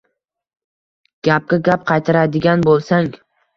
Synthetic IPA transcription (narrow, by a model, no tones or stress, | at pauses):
ɡ̥ʲap̚ɡʲaɡʲap̚qʰɑjt̪ʰaɾad̪ɪɡʲanbolˠsaŋ